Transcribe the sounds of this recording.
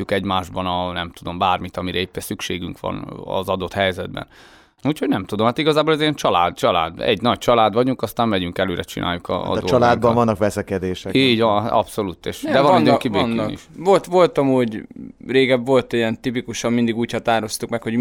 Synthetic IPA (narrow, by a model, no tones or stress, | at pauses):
ukɛɟmaːʒbɒnɒnɛmt̪ud̪o̞mbaːrmit̪ɒmiɾɛepːɛnsykʃeːɡyŋkʋɒ̰nɒ̰zɒd̪o̞t̪hɛjzɛd̪̚bɛ̰n | uːcho̞ɟnɛmt̪ud̪o̞mhaːt̪iɡɒzaːbolɛzeːnt͡ʃɒlaːd̪̚t͡ʃɒla̰ːd̪ɛ̰ɟnɒc̚t͡ʃɒlaːd̪ʋɒɟuŋkɒst̪aːmmɛɟyŋkɛløːɾɛt͡ʃḭnʔa̰ːjːukɒ̰ːd̪ot͡ʃːɒlaːd̪bɒvɒnːɒkʋɛsɛkɛd̪eːʃɛiːɟʋɒnaɒ̰pso̞luːt̪ːeːʃd̪ɛɒnɔkibeːnːḭʃvolt̪ʋo̞lt̪ɒmuːɟreːɡɛbʋo̞lt̪ijɛnt̪ipikuʃɒmmind̪iɡuːchɒt̪aːɾo̞st̪ukmɛkho̞ɟ